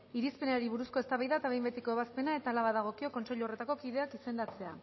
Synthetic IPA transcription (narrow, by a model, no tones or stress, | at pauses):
iɾispe̞neaɾiβuɾusko̞est̪aβajðaet̪aβe̞jmbe̞t̪iko̞eβ̞aspe̞nae̞t̪aːlaβaðaɣ̞o̞kio̞ko̞nseʎuore̞t̪ako̞kiðe̞akise̞nd̪at͡se̞a